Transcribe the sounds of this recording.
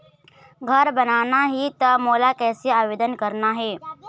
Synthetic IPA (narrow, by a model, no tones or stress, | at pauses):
ɡʱəɾbɐnaːnaɦit̪ɐmoːlakɛːseaːʋeːd̪ənkɐɾnaɦɛː